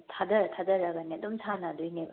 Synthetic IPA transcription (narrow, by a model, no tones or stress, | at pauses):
tʰadɐtʰadɐɾɐɡɐnedumtʰanɐːdujne